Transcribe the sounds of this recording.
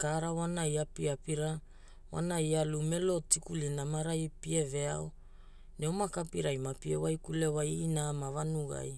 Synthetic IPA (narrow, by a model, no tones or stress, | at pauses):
kaɾawanajapiapiɾa | wa̰naialume̞lo̞tikulinamaɾajpie̞ve̞ao | neomakapiɾajmapiewajkulewajːnamavanuɡa̰j